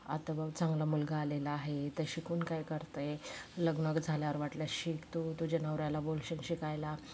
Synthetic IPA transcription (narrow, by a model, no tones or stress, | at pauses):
a̰t̪ʋat͡sãŋɡlamulɡaːlelaːɦet̪əɕikuːnkajkəɾt̪əjləɡnəkd͡zʱaljaʋəɾʋaʈljaɕikt̪ot̪ud͡ʑanəʋɾalabolɕiŋɕikajla